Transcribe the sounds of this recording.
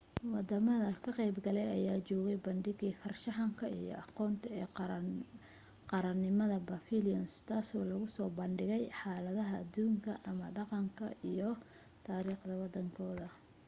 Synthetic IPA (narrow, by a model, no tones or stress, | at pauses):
wɑd̪ɐmɐðɐkʰɐqɛjbɡɐlɛjɐjaːt͡ʃɔːɣɛjbɐnɖɪɣiːfɐrʃɑħɑŋkʰɐḭjɔ̰ʔɑqɔːnt̪ʰɐɛː | qɑɾɐnːɪmɐðɐbɐfiliɔnst̪ʰaːsɔːlɐɣʊsɔːbɐnɖɪɣɛjħaːlɐðɐɦɐːd̪uːŋkʰɐʔɐmɐɖɑqɑŋkʰɐ̰ʔijɔ | t̪ʰaːɾiːχd̪ɐwɑd̪ɐŋkʰɔːðɐ